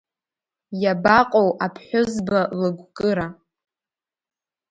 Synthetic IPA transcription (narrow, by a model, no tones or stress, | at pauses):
jabaqʼowʔapʰħʷᶣʊzbalɨɡʷkʼɨɾa